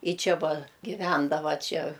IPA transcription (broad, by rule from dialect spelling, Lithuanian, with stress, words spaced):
ˈjɪ ˈt͡ʃʲɛ ˈʋɐ ɡʲɪˈʋʲɛndɐʋɐ ˈt͡ʃʲɛ